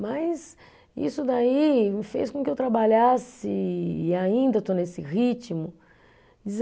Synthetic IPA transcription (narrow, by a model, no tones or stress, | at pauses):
mɐjs | ḭsʊd̪aimɪfḛskõkɪewt̪ɾabaʎasɪːaĩnd̪ɐt̪onesɪʁit͡ʃmʊ | d͡ʒiz